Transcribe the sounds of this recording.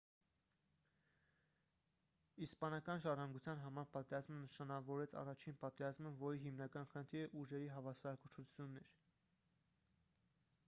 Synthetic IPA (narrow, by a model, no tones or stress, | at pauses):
ispɑnɑkɑnʒɑrɑŋɡut͡sʰjɑn̪ɦɑmɑɾpɑt̪ɛɾɑzmənəʃɑnɑvɔɾɛt͡sʰɑ̰rɑt͡ʃʰinpɑt̪ɛɾɑzməvɔɾiɦimnɑkɑnχənt̪ʰiɾəʔuʒɛɾiɦɑvɑsɑɾɑkut͡ʃʰut͡sʰjunːɛɾ